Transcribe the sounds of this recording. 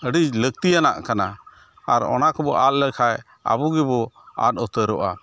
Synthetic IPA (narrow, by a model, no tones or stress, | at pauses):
əɖid͡ʒləɡ̚t̪ijana̰ʔkana | aɾɔ̰nakɔbɔʔal̚ləkʰaj | a̰buɡɛbɔa̰t̪̚ɔt̪əɾɔʔa̰